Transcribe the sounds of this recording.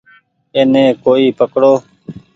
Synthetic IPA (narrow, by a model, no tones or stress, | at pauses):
eːnẽːkoːiːpəkɽoː